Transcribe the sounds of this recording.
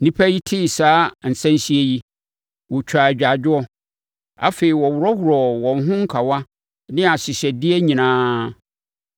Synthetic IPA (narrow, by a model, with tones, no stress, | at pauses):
nĩ˦pʰæ˦ji˦tʰɪ˦˨saː˦n̩˨sɛ̃˦n˦si˦e˦ji˦ | wʊ˨t͡ɕᶣʰa˨d͡ʑᶣa˨d͡ʑᶣɪ˦ɔ˦ | a̰˦fe˨i˨wɔ˨wʊ˨ɾɔ˦hʊ˨ɾɔ˨wɔ̃˨n˦ɦʊ̃˦ŋ̩˦kʰa˨wa˦ | nɪ̃˦a˨ɕɪ˨ɕɛ˨dɪ˦ɛ˦ɲĩ˨nãː˦